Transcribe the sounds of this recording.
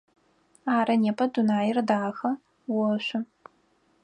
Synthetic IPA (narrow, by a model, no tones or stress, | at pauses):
aːɾɐneːpʰɐdunaːjɪrdaːxɐ | wɔɕʷʊ